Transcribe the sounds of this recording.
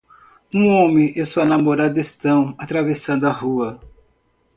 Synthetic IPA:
ũõmɪ̃ʔesuɐnamoɾad̪ʊest̪ɐ̃w̃at̪ɾavesɐ̃d̪ʊɐhuɐ

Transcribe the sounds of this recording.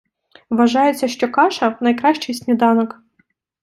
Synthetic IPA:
ʋɐʒɑjɪt͡sʲːɐʃt͡ʃɔkɑʃɐnɐjkɾɑʃt͡ʃɪjsʲnʲid̪ɑnɔk

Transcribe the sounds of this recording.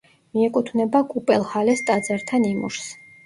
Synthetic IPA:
miɛkʼut̪ʰvnɛbakʼupʼɛlˠhalɛst̪ʼad̪zaɾt̪ʰanimṵʃs

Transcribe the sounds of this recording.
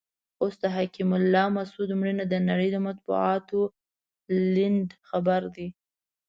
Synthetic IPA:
ost̪aɦakimʊlːɑmasud̪mɽinad̪ənaɽəjd̪əmat̪̚bṵɑt̪o | lɪnd̪xabaɾd̪i

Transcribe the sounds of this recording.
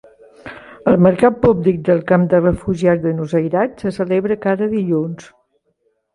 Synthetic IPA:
əlˠməɾkat̪̚publik̚d̪əlˠkamd̪ərəfuʒiat̪̚d̪ənuzəjɾatsəsəleβɾəkaɾəðiʎuns

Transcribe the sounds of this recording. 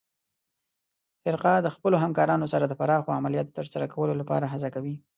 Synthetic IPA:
fɪɾqɑd̪əxpəloɦamkɑɾɑnosaɾad̪əpaɾɑxoamalijɑt̪ot̪əɾsaɾakawəlolapɑ̰ɾaɦazakawi

